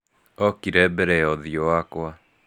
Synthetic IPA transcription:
ɔkiɾɛbɛɾɛɔðiowakwa

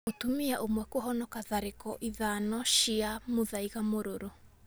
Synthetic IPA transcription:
otumiaʔomwɛkoɦɔnɔkaðaɾekɔʔiðaːnɔʃiamoðajɣamoɾoɾo

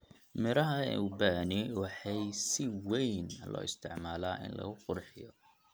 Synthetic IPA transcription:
mɪɾɐɦɐ̰ubaniwɑħɑjsɪwɛjnlɔ̰ːɪst̪ʰɪʕmaːlaːʔɪ̰nlɐ̰ɣʊqʊrħɪjɔ

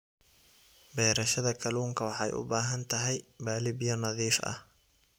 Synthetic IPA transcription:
bɛːɾɐʃɐðɐkʰɐluːŋkʰɐwɑħɑjʊ̰baːɦɐnt̪ʰɐɦɛjbaːlɪbjɔnɐðiːfɐ̰h

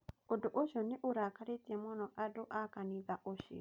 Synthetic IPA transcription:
odoʔoʃɔneʔoɾakaɾetiɛmɔnɔʔadoʔakaniðaʔoʃḭ

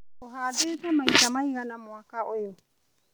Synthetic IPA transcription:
ɔɦadɛtamaitamaiɾanamwakaʔɔjɔ

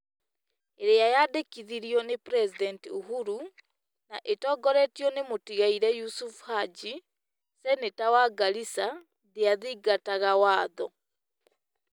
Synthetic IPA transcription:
eɾejajadekiðiɾjɔnepɾɛsidɛntiuɦuɾu | naʔetɔːɡɔɾɛtiɔnemotiɣaiɾɛjusufu̥had͡ʒi | sɛnetawaɡalisa | ðeaðiɡataɣawaːðɔ

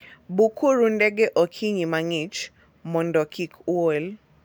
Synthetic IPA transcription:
bukʰuɾundɛɡɛʔokʰiɲimaŋit͡ʃ | mɔndɔkʰikʰwol

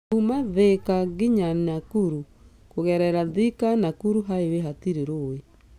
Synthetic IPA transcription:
umaðekaɣiɲanakuɾu | koɣɛɾɛɾaðikanakuɾuɦaeweɦatiɾeɾowe

